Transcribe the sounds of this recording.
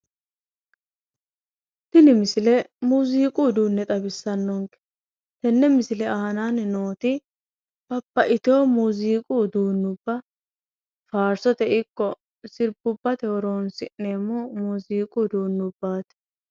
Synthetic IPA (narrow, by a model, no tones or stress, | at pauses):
t̪ɪnɪmɪsɪlɛmuziːkʼuːd̪uːnːɛt̪ʼɐbɪsːɐnːɔŋkɛ̥ | t̪ɛnːɛmɪsɪlɛahɐnannoːt̪ɪ | b̥ɐpːɐʔɪt̪oːmuziːkʼuːd̪uːnːʊbːɐ | faːɾsɔt̪ɛʔɪkːɔ | sɪɾbʊbːɐt̪ɛwɔɾo̞ːnsɪnːeːmːɔmuziːkʼuːd̪uːnːʊbːaːt̪ɛ̥